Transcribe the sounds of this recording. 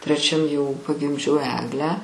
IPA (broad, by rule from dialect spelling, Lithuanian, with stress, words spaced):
tʲrʲɛˈt͡ʃʲɛm jɛʊ pɐɡʲɪmʲˈd͡ʒʲɛʊ ˈæːɡlʲæː